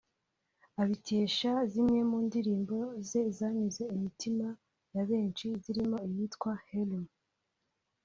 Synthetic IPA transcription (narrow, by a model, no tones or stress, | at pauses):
aβite̞ːʃazimɲe̞muːndiɾiːmbo̞ze̞zaːɲize̞imitima | jaβe̞ːnt͡ʃiziɾimo̞ijiːtkwahelum